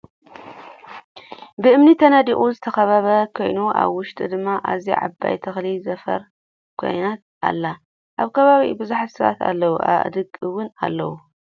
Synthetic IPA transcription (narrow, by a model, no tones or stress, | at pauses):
bɨʔɨmnit̪ʰɐnad̪iʔʼuzɨt̪ʰɐxɐβaβɐkʰo̞jnuʔa̰βwʊʃt̪ʼɨd̪ɨmːaʔaziʕa̰bːa̰jt̪ʰɐxlizɐfɐ̰ɾ | kʰo̞̰jnat̪̚ | a̰lːa | ʔaβkʰɐβaβibɨzuħt̪sɨβa̰t̪ʰa̰lːɐwuʔa̰βʔd̪ɨɡɨwʊna̰lːɐwu